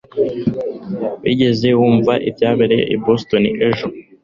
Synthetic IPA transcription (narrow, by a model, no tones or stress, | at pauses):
βḭɟe̞ze̞wuːɱvaʔibjaːβeɾe̞ʔibostoniʔeʒo